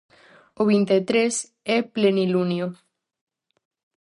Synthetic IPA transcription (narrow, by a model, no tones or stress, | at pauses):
oβint̪et̪ɾes | eplenilunjo